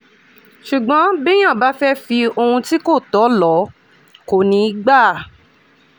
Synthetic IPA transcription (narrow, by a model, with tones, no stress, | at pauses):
ʃu˨ɡ͡bɔ̃˨˦bi˦j̃ã˦˨ba˦fɛ˦fi˧o˧hũ˧ti˦ko˦˨tɔ˨˦lɔ˨˦ | ko˨nĩ˧˦i˦ɡ͡ba˦˨